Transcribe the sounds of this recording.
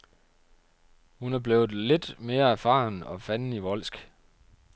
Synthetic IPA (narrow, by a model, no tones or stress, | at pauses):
hunæb̥le̝ːʊð̩ˠle̝d̥me̝ːɐæɐfɑ̰̈ːnɒ̽fæn̩iʋɒ̽lsɡ̥